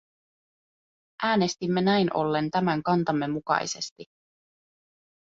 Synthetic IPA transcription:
ʔæːne̞st̪imːe̞næjnʔo̞̰lːe̞nt̪æmæŋkɑnt̪ɑmːe̞mukɑ̰jse̞st̪i

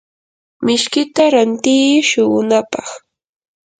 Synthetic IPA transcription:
mɪʃkɪt̪aɾant̪ɪːʃʊɢʊnapɑχ

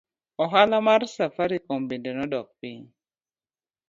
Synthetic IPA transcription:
ɔɦalamarsafaɾikombendenɔdɔk̚piɲ

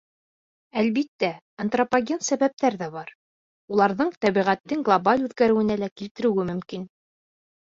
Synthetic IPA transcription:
ælβit̪ːæ | ɐnt̪ropaɡʲensæβæp̚t̪æɾðæbɑɾ | ulˠɑɾðɤɴt̪æβiʁæt̪ːɘŋɡlˠobalʲʉðɡæɾɘ̆wɘ̆nælækilt̪ɘ̆ɾɘ̆wɘmɵ̆mkin

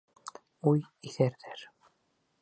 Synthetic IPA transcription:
ujiθæɾðæɾ

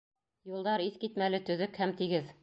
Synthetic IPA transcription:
julˠd̪ɑɾiθkit̪mælɘt̪ɵ̆ðɵkhæmt̪iɡɘð

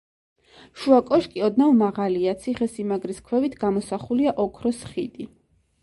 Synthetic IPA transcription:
ʃuakʼɔʃkʼiɔd̪navmaʁaliat̪sʰiχɛsimaɡɾiskʰwɛvit̪ʰɡamɔsaχuliaʔɔkʰɾɔsχid̪i

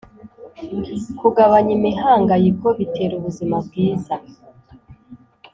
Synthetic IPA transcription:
kuɡaβaɲimiɦaːŋɡajiko̞βite̞ːɾuβuzimab̚ɡiːza

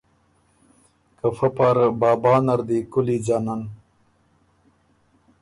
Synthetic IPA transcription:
kɐfɐpaɾbaːbaːnɐɾd̪ikulid͡ʑaːnan

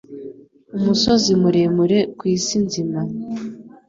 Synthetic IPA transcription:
umuso̞zimuɾemuɾe̞kwiːsinzima

